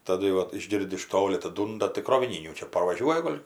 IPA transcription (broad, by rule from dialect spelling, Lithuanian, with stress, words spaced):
tɐˈdʊ jɛʊ ˈʋɐt ɪʒʲˈɡʲɪrʲdʲɪ ɪʃ ˈtoːlʲɪ ɐtɐˈduːndɐ tɐɪ kroːʋʲɪˈnʲiːnʲuː ˈt͡ʃʲɛ pɐrʋɐˈʒʲuɔjɛ ˈɡoːlʲ